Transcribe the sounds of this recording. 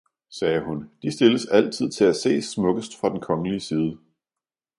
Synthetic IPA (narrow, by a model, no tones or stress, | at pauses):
sɛːɦund̥isd̥e̝ləsæl̰t͡sʰið̰ˠt͡sʰe̝læse̝̰ːsmɔ̽ɡ̥əsd̥fʁɑ̈d̥enkʰɒ̽ŋəliəsiːð̞ˠə